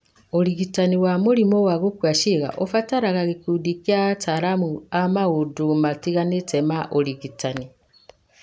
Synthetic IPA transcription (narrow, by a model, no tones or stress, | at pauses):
oɾiɣitaniwamoɾimɔwaɣokwaʃeɣa̰ʔofataɾaɣaɣekudikiataɾamuamaɣodomatiɣanetɛmaʔoɾiɣitani